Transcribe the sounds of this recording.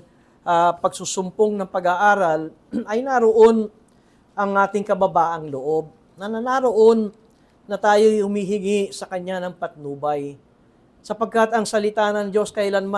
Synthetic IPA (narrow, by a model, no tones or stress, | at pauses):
ʔapɐɡ̚susʊmpoŋnɐŋpɐɡaʔaːɾɐl | ɐjnaɾoʔo̞n | ʔɐŋʔaːt̪ɪŋkɐbɐbaːʔɐŋloʔo̞b̚ | nɐnɐnaɾo̞ʔo̞nː | ɐt̪aːjo̞jhʊmiːɦɪŋiʔsɐkɐɲːanɐŋpɐt̪̚nuːbɐj | sɐpɐɡ̚kat̪ɐŋsɐlɪt̪anɐŋd͡ʒo̞skɐʔɪlanma